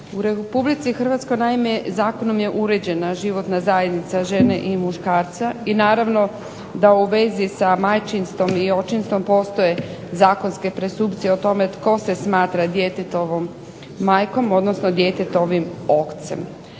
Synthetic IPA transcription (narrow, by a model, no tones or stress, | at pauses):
uɾepublit̪sixr̩ʋat̪sko̞jnaime̞zaːko̞nomje̞ʔuɾe̞d͡ʑe̞naʒiʋo̞t̪nazaje̞d̪nit̪saʒe̞neʔimuʃkaːɾt̪sainaːɾaʋno̞ | d̪auʋe̞zisamajt͡ʃinst̪o̞mio̞t͡ʃinst̪o̞mpo̞ːst̪o̞je̞zaːko̞nske̞pɾesuːpt̪sieot̪o̞me̞t̪ko̞se̞smaːt̪ɾad̪jet̪et̪o̞ʋomː | aːjko̞mo̞d̪nosno̞d̪je̞t̪et̪o̞ʋimo̞kt̪sḛm